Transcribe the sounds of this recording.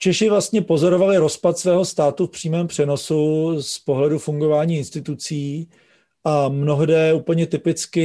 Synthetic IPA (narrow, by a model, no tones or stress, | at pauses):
t͡ʃɛʃɪvlast̪ɲɛpo̞zo̞ɾo̞valɪɾo̞spat̪svɛːɦo̞st̪aːt̪ufpr̥iːmɛːmpr̝̥ɛno̞suspo̞ɦlɛdufuŋɡo̞vaːɲiːɪnst̪ɪt̪ut͡siː | ʔamno̞ɦdɛːuːpl̩ɲɛt̪ɪpɪt͡skɪ